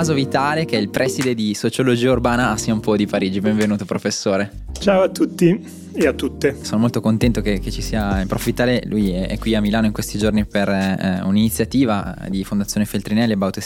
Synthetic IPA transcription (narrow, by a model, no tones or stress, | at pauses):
azovit̪aːlekeɛilpɾʔɛsid̪ed̪isot͡ʃolod͡ʒiːaurbaːnaːsːiaumpɔd̪ipaɾiːd͡ʒibeɱvenuːt̪opɾofesːoːɾe | t͡ʃaːoat̪ːut̪ːi | eat̪ːut̪ːesoːnomolt̪okont̪ɛnt̪okeket͡ʃisiːaimpɾofvit̪ːaːlelujɛɛ̰kwiamilaːnoiŋkwest̪id͡ʒorniperuninit̪sjat̪iːvad̪ifond̪at̪sjoːnefelt̪ɾinɛlebawt̪e